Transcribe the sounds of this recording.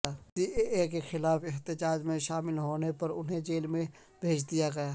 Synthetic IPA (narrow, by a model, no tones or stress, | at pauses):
ad͡ʒiːeʔeːkexɪlaːfɪɦt̪ɪd͡ʒaːd͡ʒmẽʃaːmɪlɦoːnepɐɾʊ̰nɦẽd͡ʒeːlmẽ | bʱeːd͡ʒd̪ijaɡɐjaː